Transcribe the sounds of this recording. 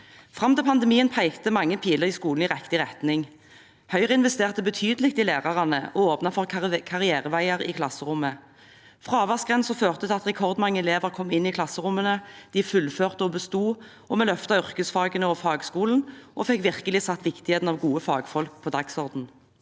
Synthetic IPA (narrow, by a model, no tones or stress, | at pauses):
fʁɑmt̪ɛpʰɑnd̪əmiːənpʰæɪkt̪əmɑŋːəpʰiːləʁɪskuːl̩ɪʁɛkt̪ɪʁɛt̪nɪŋ | hœʏʁəɪnʋɛst̪eːʁt̪əbət̪ʰyːd̪əlɪkt̪ɪleːʁɑʁɑnəɔoːpnɑfɔʁkʰɑʁɪæːʁəʋæɪəʁɪ̰kʰlɑsəʁʊmːə | fʁɑːɑːʋæʁsɡʁɛnsɔføːʁt̪ət̪ʰɪɑt̪ʁɛkʰɔʁd̪mɑŋːəɛleːʋəʁkʰɔmːɪnːiːkʰlɑsəʁʊmənəd̪̥iːfʉlføːʁt̪əɔbəst̪uː | ɔmɛlœft̪ɑʏʁkəsfɑːɡənəɔfɑːɡskuːln̩ʔɔfɛkʋɪʁkəlɪsɑt̪ːʋɪkt̪ɪheːt̪n̩ɑːʋɡuːəfɑːɡfɔlk̚pʰoːd̪ɑɡsɔʁd̪n̩